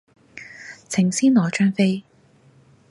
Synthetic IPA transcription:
t͡sʰɪ˨˩ŋsiː˥nlɔː˨˩t͡ʃœː˥ŋfe˥j

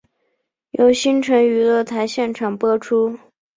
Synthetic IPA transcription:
jo˧˥ʊɕi˥nʈ͡ʂʰɤ˧˥ŋy˧˥lɤ˥˩t̪ʰa˧˥ɪɕjɛ˥˩nʈ͡ʂʰɑ˨˩ŋpwɔ˥ʈ͡ʂʰu˥

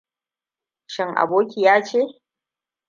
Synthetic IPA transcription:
ʃɪ˦ŋʔa̰˨boː˦kʲi˨jaː˦t͡ʃeː˦

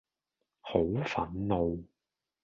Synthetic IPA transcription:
ho˨˥wfɐ˨˥nno˨˧w

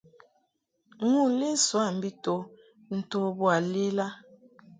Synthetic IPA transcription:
ŋu˦˨le˦swa˦˨m̩˨bi˦to˨ | n̩˨to˦bwa˨le˦la˦

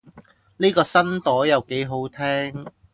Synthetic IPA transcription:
niː˥kɔː˧sɐ˥nt̪ɔː˨˥jɐ˨˩wke˨˥jɦo˨˥wt̪ʰɛː˥ŋ

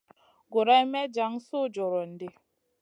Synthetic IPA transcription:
ɡo˨ɾa˦i˦mɛ˦d͡ʒa˨˦ŋ˦sʊ˦d͡ʒɔ˨ɾɔ˨n̩˨dɪ˦

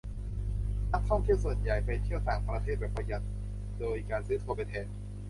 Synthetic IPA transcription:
na˦˥k̚kʰːɔ˥˩ŋt̪ʰi˥˩wsu˨˩˦ənja˨˩jpa˧jt̪ʰi˥˩əwt̪aː˨˩ŋpɾa˧t̪ʰeː˥˩bɛː˨˩pːɾa˧ja˨˩t̪̚ | doː˧jkaː˧nsɯː˧˦˥t̪ʰu˧pa˧jt̪ʰe˨˩˥n̚

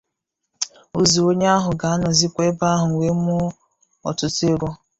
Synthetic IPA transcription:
o˦zu˨o˦ɲ˦a˦ɦʊ˨ɡa˨a˦nɔ˨zi˦kʷe˦ba˦ɦʊ˨ŋʷe˦mʊ˦ | ɔ̰˨tʊ˦tʊ˦e˦ɾɔ˦

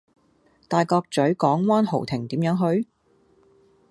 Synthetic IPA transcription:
t̪aː˨jkɔː˧k̚t͡sɵ˨˥ɥkɔː˨˥ŋwaː˥nho˨˩wt̪ʰɪ˨˩ŋt̪iː˨˥mjœː˨˥ŋɦɵ˧ɥ

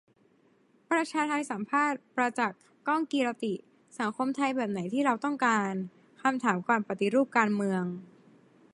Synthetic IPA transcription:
pɾa˧t͡ɕʰaː˧t̪ʰa˧jsa˨˩˦mpʰaː˥˩t̪̚pɾa˧t͡ɕa˨˩kːɔ˥˩ŋkiː˧ɾa˧t̪i˨˩ | sa˩˦ŋkʰo˧mt̪ʰa˧jbɛː˨˩p̚na˩˦jt̪ʰiː˥˩ɾa˧wt̪ɔ˥˩ŋkaː˧n | kʰa˧mt̪ʰaː˩˦mkwaː˧npɾa˧t̪i˨ɾuː˥˩p̚kaː˧nmɯ˧əŋ

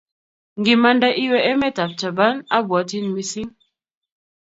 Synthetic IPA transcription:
ŋ˨ɡi˨ma˨nda˦ʔi˦wɛ˨e˦mɛ˦ta˨p̚t͡ʃa˨ba˦na˦bwa˨˦ti˦nmi˨si˦ŋ

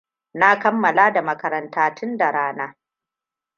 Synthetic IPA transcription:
na˦kɐ˦mːɐ˨laː˦da˨mɐ˦kɐ˨ɾɐ˨ntaː˦tʰʊ˦nda˨ɾaː˦naː˦

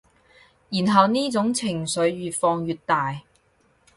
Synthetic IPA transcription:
jiː˨˩nɦɐ˨wniː˥t͡sʊ˨˥ŋt͡sʰɪ˨˩ŋsɵ˨˧˥ɥɥyː˨t̚fɔː˧ŋjyː˨˧t̚t̪aː˨j

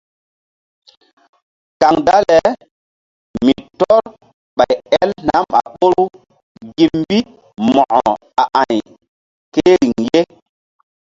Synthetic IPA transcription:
ka˨ŋda˦lɛ˨ | mi˨tɔ˦ɾ | ɓa˨jɛ˦lna˨˦ma̰˨ɓo˦ɾu˦ | ɡi˨pmbi˦ | mɔ˨ʔɔ˨ | a˨ʔã˨j | ke˦ɾi˨ŋje˦

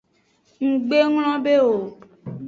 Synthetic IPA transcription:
ŋ̩˨ɡ͡be˦ŋl̃ɔ̃˦be˦wo˨

